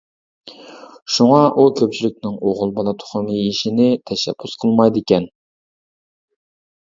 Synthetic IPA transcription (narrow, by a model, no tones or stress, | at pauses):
ʃuŋɑʔukʲʰøp̚t͡ʃʰilɪk̚ʲnɪŋoʁʊlˠbɑlˠɑt̪ʰʊ̥χʊmɨiʃinɪt̪ʰɛʃɛ̰b̥ːysqʰəlˠmɑjd̪ɪkʲɛn